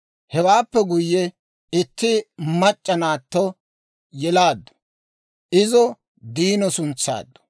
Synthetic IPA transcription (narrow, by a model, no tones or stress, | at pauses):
hɛwaːpːɛɡʊjːɛ | ɪt̪ːɪmɐt͡ʃʼːɐnaːt̪ːɔ | jɛlaːd̪ːɔ̥ | ʔɪzɔ | d̪iːnɔsʊnt͡sːa̰ːd̪ːɔ̥